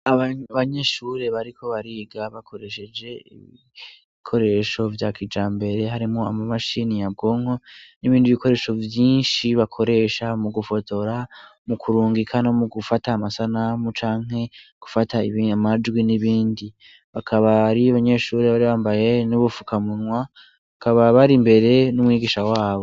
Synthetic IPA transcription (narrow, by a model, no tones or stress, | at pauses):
aβaaβaɲe̞ʃuɾe̞βaɾikʰo̞βaɾiːɡaβakʰo̞ɾe̞ʃe̞d͡ʒe̞ḭβi | ikʰo̞ɾe̞ʃo̞vjakid͡ʒaːmbe̞ɾe̞ɦaɾimŋo̞a̰mamaʃinijab̚ɡo̞ːŋo̞niβiːndiβiko̞ɾe̞ːʃo̞vjiːnʃiβakʰo̞ɾe̞ʃamuɡufo̞to̞ɾamukʰuɾuːŋɡikʰanamuɡufataːmasanamut͡ʃaːŋ̥ɦe̞ɡ̥u̥fataiβamad͡ʒɡwiniβiːndi | βakʰaβaɾiaβaɲe̞ʃuːɾiβaɾiβaːmbaje̞nuβufu̥kamunŋwa | βakaβaβaɾimbe̞ɾe̞numwŋiːɡiʃawaːβo̞